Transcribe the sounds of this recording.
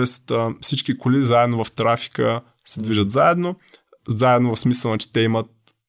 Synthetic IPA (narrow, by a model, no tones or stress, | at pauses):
ɛst̪fsit͡ʃkikolizaɛd̪novɐft̪ɾafi̥kə | sɛd̪viʒət̪zaɛd̪no | zaɛd̪novɐfsmisəlˠnat͡ʃɛ̥t̪ɛimət̪̚